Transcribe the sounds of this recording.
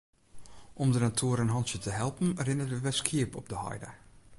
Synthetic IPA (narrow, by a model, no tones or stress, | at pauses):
ʔɔmdənatʰuəɾənɦɑntsjətəɦɛlˠpən̩rɪnətʋəʋɛskʰiəpɔp̚dəhɔ̰jdə̰